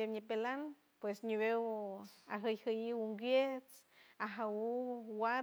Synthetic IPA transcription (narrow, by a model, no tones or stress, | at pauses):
eɲipelan | pwesɲiβewaɦɨjhɨjiwuŋɡʷjet͡s | aɦawuwa